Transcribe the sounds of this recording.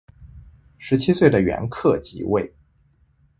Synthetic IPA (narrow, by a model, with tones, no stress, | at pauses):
ʂɻ̩˧˥t͡ɕʰi˥swe˥˩ɪd̪ə˩ɥɛ̰˧˥nkʰɤ˥˩t͡ɕḭ˧˥we˥˩ɪ